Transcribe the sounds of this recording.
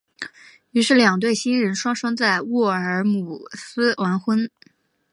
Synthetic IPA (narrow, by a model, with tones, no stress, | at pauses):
y˧˥ʂɻ̩˥˩ljɑ˨˩ŋt̪we˥˩ɪɕi˥nɻə˧˥nʂwɑ˥ŋʂɑ˥ŋt͡sa˥˧ɪwɔ˥˩ə˞˧˥mu˨˩sɹ̩˥wa˧˥nxwə˥n